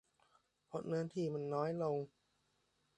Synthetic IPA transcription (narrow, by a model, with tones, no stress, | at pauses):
pʰo˨˦˥t̪̚ŋɤ˧nt̪ʰiː˥˩ma˧nːɔː˦˥jlo˧ŋ